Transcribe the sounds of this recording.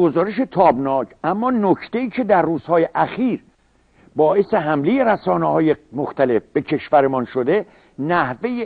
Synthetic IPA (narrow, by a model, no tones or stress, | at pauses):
ɡozɒːɾeʃe̞t̪ʰɒːbnɒːkʰʔæmːɒːnokʰt̪e̞iːcʰe̞d̪æɾːuːz̥hɒːje̞ʔæxiːɾ | bɒːʔe̞se̞ɦæmle̞je̞ɾæsɒːnehɒːjemoxt̪æle̞fb̥e̞cʰe̞ʃvæɾemɒːnʃod̪e̞ | næhve̞je